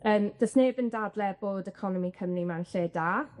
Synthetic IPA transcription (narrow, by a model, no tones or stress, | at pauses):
əːmd̥əsneːbəndaːdlɛboːdəkʰɔnɔmikʰəmrimanɬeːdaː